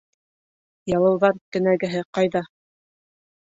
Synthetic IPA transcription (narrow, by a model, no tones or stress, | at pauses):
jɑlˠɤ̆wðɑɾkɘ̆næɡɘ̆ɦɘqɑjðɑ